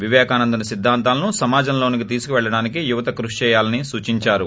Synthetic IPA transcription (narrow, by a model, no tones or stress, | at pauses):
ʋiʋjɛːkaːnɐnd̪ɐnɐsid̪ʱːaːnt̪aːlɐnusɐmaːd͡ʒɐmloːnikit̪̬iːsu̥kuʋɛɭːɐɽaːnikijuʋɐt̪ɐkɾuʂt͡ʃɛːjaːlɐnisuːt͡ʃiɲt͡ʃaːɾu